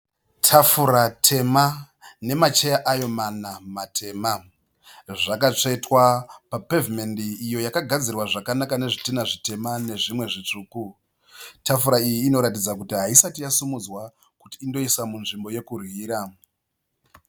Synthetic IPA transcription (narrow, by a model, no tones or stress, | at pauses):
tʰafuɾatʰe̞ma | ne̞mat͡ʃe̞jaʔajo̞manamatʰe̞ːma | ʐakat͡ʂe̞twapape̞vime̞ndiːjo̞jakaɡʱad͡zirwaʐakanakane̞ʐitinaʐite̞mane̞ʐimwe̞ʐit͡ʂuːku | tʰafuɾaijiːno̞ɾatid͡zakutiɦaisatijasumud͡zwa | kutiːndo̞isamunʐimbo̞je̞kurwiːɾa